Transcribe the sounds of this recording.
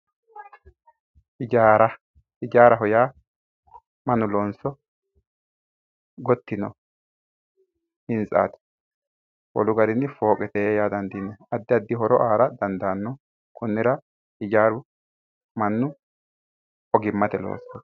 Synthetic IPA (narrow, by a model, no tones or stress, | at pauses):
ɪd͡ʒaːɾɐ | ɪd͡ʒaːɾɐɦɔjaː | mɐnʊloːnsɔ | ɡɔt̪ːɪnɔ̰ | hɪnt͡sʼa̰ːt̪ɪ̥ | wɔ̰lʊɡɐɾɪnːɪfo̞ːkʼɛt̪eːjaːd̪ɐnd̪ɪnːɛɐd̪ːɪɐd̪ːɪɦɔɾɔʔaːɾɐd̪ɐnd̪aːnːɔ | kʰʊnːɪɾɐ | hɪd͡ʒaːɾʊ | mɐnːʊ | ɔɡɪmːɐt̪ɛlo̰ːsɔ